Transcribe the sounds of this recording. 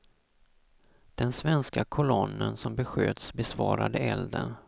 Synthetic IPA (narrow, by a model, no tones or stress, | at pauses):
d̪̥ɛnsvɛnskakʰʊlɔnːənsɔmbɛɧøːd̪sbɛsvɑːɾad̪əɛld̪ə̰n